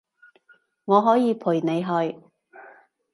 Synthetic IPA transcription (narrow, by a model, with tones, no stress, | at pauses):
ŋɔː˨˧ɦɔː˨˥jiː˨˧pʰuː˨˩jne˨˧jɦɵ˨˧ɥ